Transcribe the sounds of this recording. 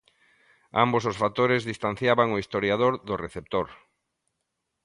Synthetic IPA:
a̰mbososfat̪oɾezðist̪an̟θjaβaŋoist̪oɾjaðoɾðʊreθep̚t̪oɾ

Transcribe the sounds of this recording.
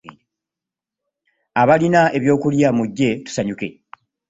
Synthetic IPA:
aβalinaʔe̞βjo̞ːkuljamuɟːe̞tu̥saɲuke̞̰

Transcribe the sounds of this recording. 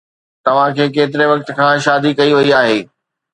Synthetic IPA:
t̪ɐʋ̤ãkʰeːkeːt̪̬ɪɾeʋɐk̚t̪̆kʰãːʃaːd̪ʱikɐiʋɐiaːɦeː

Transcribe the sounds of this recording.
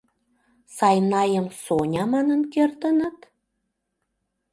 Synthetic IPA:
sɑjnɑjəmsonʲɑmɑnənkert̪ənə̆t̪

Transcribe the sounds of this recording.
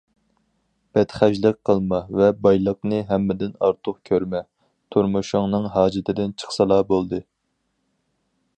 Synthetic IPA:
b̥ɛt̪χæʒlɨq̚qʰːəlˠmɑvɛbɑjlˠəqnɨɦɛmːɪd̪ɪnɑ̰ɾt̪ʰʊχkʲʰøɾmɛ | t̪ʰuɾmuʃʊŋnɨŋɦɑːd͡ʒɪt̪ʰɪd̪ɪnt͡ʃʰə̥χsɨlˠɑːbolˠd̪ɨ

